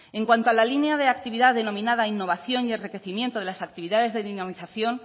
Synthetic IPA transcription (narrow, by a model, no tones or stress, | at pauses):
eŋkwant̪oalalineaðe̞ak̚t̪iβiðaððe̞no̞mĩnaðainːo̞β̞aθjo̞nie̞nrike̞θimje̞nt̪oð̞e̞lasak̚t̪iβiðaðe̞zðeðinamiθaθjo̞n